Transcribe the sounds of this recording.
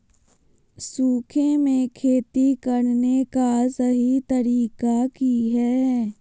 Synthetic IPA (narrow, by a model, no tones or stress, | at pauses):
suːkʰẽmẽkʰeːt̪ikəɽnekasəɦit̪əɾiːkakiɦɛː